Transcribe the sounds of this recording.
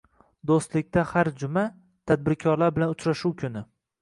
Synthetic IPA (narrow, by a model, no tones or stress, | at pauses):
d̪ost̪lɪk̚ʲt̪ahaɾd͡ʒʊma | t̪ʰad̪̚bɪɾkʲʰɒɾlaɾbɪlanʊt͡ʃɾaʃuwkʲʰʊnɪ